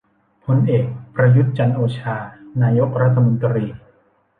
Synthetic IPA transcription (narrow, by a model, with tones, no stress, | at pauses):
pʰo˧nʔeː˨˩k̚pɾa˧ju˦˥t̪̚t͡ɕa˧nʔoː˧t͡ɕʰaː˧naː˧jo˦˥k̚ɾa˦˥t̪ʰːa˧mo˧nt̪ɾiː˧